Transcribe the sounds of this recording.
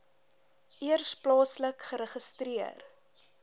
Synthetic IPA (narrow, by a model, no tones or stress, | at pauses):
ʔiərsplɑːsləkχəɾəχəstriər